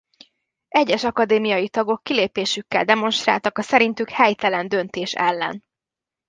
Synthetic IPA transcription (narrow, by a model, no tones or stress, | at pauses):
ɛɟːɛʃɒkɒd̪eːmijɒjit̪ɒɡo̞kːileːpeːʃykːɛ̰ld̪ɛmo̞nʃt̪ra̰ːlt̪ɒkɒsɛɾint̪ykhɛjt̪ɛlɛnd̪ø̞nt̪eːʃɛ̰lːɛ̰n